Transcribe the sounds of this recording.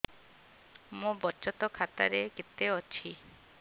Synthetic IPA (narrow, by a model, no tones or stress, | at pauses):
mũbɔt͡ʃɔt̪ɔkʰat̪a̰ɾekit̪eɔt͡ʃʰi